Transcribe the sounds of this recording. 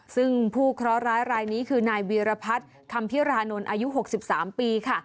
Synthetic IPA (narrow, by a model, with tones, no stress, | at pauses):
sɯ˥˩ŋpʰuː˥˩kʰɾɔ˦˥ɾaː˦˥jɾaː˧jniː˦˥kʰɯː˧naː˧jwiː˧ɾa˧pʰa˦˥t̪̚ | kʰa˧mpʰi˦˥ɾaː˧no˧nʔaː˧ju˦˥ɦo˨˩k̚si˨˩p̚saː˩˦mpiː˧kʰa˥˩